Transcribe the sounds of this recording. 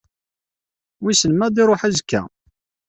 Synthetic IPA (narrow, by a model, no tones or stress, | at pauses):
wisənmæd̪iɾˤoħæzkːæ̰